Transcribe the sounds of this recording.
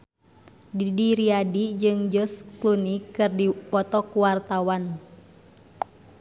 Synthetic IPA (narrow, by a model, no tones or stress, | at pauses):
ɡidiɾiadid͡ʒɨŋd͡ʒɔsklunikɨrdipɔt̪ɔkuwart̪awan